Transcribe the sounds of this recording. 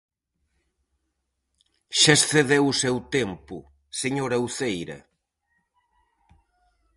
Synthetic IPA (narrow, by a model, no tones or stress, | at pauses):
ʃasθeðewʊsewt̪empʊ | seɲoɾɐwθejɾɐ̰